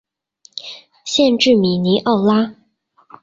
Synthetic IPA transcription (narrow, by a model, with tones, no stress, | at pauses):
ɕjɛ˥˧nʈ͡ʂɻ̩˥˩mi˨˩ni˧˥ʔɑ˥˩ʊla˥